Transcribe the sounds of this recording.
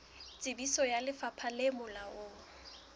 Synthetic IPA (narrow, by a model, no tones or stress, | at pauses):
t͡sʼɪbisɔjalɪfapʰalemʊlaʊː